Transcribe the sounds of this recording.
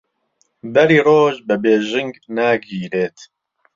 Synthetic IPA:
bɐɾiːroːʒbɐbeːʒɪŋɡnaːɡiːɾeːt̪

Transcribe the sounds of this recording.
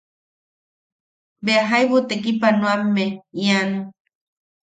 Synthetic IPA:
beaɦajβut̪ekipanwamːeiano

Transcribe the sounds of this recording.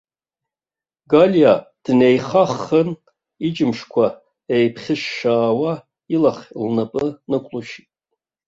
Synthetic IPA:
ɡaljad̥nejχaχən | id͡ʒɪmʂkʷʰa | ejpʰχʲɪʃːaːwa | ilaχʲlnapʼɨnɨkʷʼluʃitʼ

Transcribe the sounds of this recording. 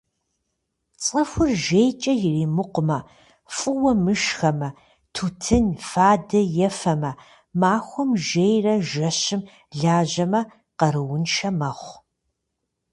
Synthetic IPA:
t͡sʼɐxʷʊrʒejt͡ʃʼɐjɪriːmɨqʷʊmɐ | fʼɨwɐmɨʃxɐmɐ | tʰutʰɨnfaːdɐjɛfɐmɐ | maːxʷɔmʒejrɐʒɐɕɪm | ɮaːʑɐmɐ | qɐɾɨwʊnʃɐmɐχʷ

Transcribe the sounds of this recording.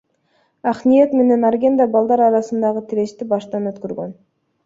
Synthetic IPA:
ɑχnijet̪me̞ne̞nɑɾɡʲe̞nd̪ɑbɑlˠd̪ɑɾɑɾɑsɯnd̪ɑʁət̪ʰiɾe̞ʃt̪ibɑʃt̪ɑnø̞t̪køɾɡøn

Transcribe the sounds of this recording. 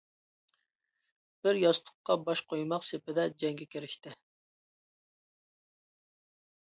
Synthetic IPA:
b̥ɪɾjɑst̪ʰʊ̥qːɑbɑʃqʰojmɑqsepɪd̪ɛd͡ʒɛŋɡʲɛkʲeɾɪʃt̪ɪ

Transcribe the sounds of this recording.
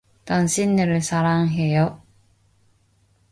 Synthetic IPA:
taŋɕʰinːɯɾɯɭsʰaɾaŋɦejʌ

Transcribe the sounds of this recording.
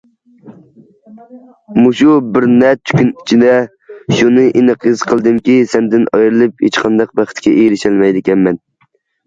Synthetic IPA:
muʃubɪɾnɛt͡ʃʰy̥kʲynit͡ʃʰid̪ɛ | ʃunɨʔinɨqʰɨz̥qʰəlˠd̪ɨmkʲisɛmd̪ɪnɑjɾɨlˠɨphet͡ʃqʰɑnd̪ɑq̚bæχɪt̪kʲɛʔejɾɪʃɛlˠmɛjd̪ɪkʲɛnmɛn

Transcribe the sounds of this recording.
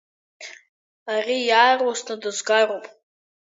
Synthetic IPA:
arijaarwasnɨdɨzɡarowpʼ

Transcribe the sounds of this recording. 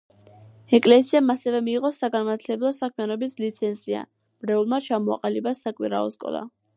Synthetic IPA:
ɛkʼlɛsiamasɛvɛmiːʁʼɔsaɡanmaɾt̪ʰlɛblˠɔsakʰmijanɔbislit̪sʰɛnzia̰ | mɾɛulˠmat͡ʃʰamɔa̰qʼalibasakʼwiɾa̰ɔskʼɔ̰lˠa̰

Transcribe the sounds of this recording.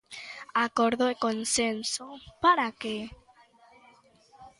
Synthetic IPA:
akoɾðoekonsensopaɾake

